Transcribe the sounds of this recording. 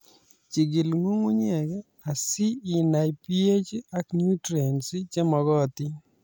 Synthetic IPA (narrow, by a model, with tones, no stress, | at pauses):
t͡ʃi˨ɡɪ˨lŋu˦ŋu˦ɲɛ˨ɡɛ˦ | a˨siː˦˨na˨jpi˦e˦t͡ʃa˦kɲu˦tɾe˨nsi˦t͡ʃe˦mɔ˨ɣɔ˦ti˦